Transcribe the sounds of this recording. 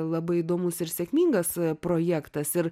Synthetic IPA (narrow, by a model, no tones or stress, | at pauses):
lˠɐbɐɪɪd̪oːmʊsɪɾsʲɛkʲmʲiːŋɡɐspɾoːjæːkt̪ɐsɪɾ